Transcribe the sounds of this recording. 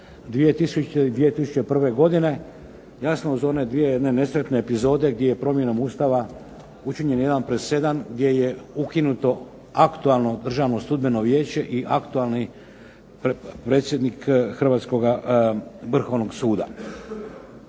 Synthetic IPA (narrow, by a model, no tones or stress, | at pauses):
d̪ʋijet̪isud̪ʋijet̪isu̥t͡ʃepr̩ʋe̞ɡo̞d̪ine̞ | jasnouzo̞ne̞d̪ʋije̞jed̪ne̞ne̞sɾe̞t̪ne̞ːpizo̞ːd̪e̞ɡ̚d̪jejepɾo̞mje̞nomust̪aʋa | ut͡ʃiɲe̞njed̪anpɾese̞d̪amɡd̪jeje̞ukinut̪o̞ | akt̪ualno̞d̪r̩ʒaːʋno̞sud̪beno̞ʋje̞ːt͡ɕe̞ʔiʔakt̪ualˠni | ppɾe̞ːt̪sje̞d̪nikxr̩ʋaːt̪sko̞ɡa | ʋr̩xo̞ʋno̞ɡsuːd̪a̰